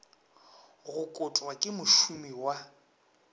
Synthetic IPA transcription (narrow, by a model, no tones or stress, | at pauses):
ɣʊkʼʊtʼwakʼɪmʊʃumiwa